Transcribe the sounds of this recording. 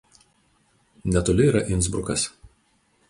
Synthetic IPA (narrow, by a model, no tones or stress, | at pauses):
nʲɛt̪oːlʲɪiːɾɐʔɪntzbɾʊkɐs